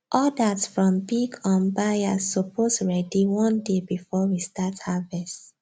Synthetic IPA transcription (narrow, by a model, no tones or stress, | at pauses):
ʔɔdasfɹɔ̃mbiɡɔ̃nbajaɔpʰosɹɛdiwɔ̃ndebifɔwistathavɛst